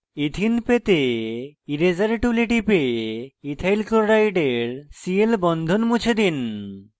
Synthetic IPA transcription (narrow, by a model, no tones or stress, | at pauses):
it̪ʰinpet̪eiɾezaɾʈuliʈipeit̪ʰajlkoɾajɖeɾsielbɔnd̪ʱonmut͡ɕʰed̪in